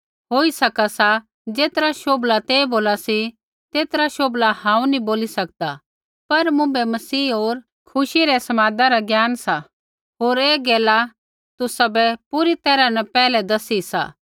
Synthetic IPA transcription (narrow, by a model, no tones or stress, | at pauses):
ɦoːisɐkasa | d͡ʒeːt̪ɾaʃoːblat̪eːboːlasi | t̪eːt̪ɾaʃoːblahãːũniboːlisɐk̚d̪a | pɐɾmʊ̃bɛmɐsiːɦoːɾ | kʰʊʃiɾɛsɐmaːd̪aɾaɡjaːnsa | ɦoːɾeːɡɛːla | t̪ʊsabɛpuɾit̪ɛːɾanɛpɛːlɛd̪ɐsisa̰ː